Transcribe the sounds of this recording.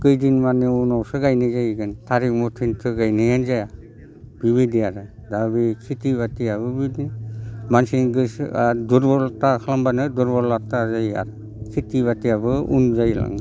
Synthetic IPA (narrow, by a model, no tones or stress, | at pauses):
kɯjdinmanːɯunawsɯɡajnɯzajɡɯntʰaɾik̚mɔtʰɯntʰɯɡajnɯjanzaja | biβidiaɾɯdabikʰitiβatiaβɯbidinmansinɡɯsduɾbɔlatakʰalambanɯdɔɾbɔɾlatazaja̰ɾɯ | kʰitiβatiabɯṵnzajla̰ŋ